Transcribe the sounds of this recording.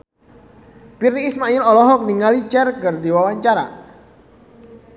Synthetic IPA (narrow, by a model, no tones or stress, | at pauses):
pirniːsmailɔlɔɦɔk̚niŋalit͡ʃɛrkɨrdiwawaɲt͡ʃaɾa̰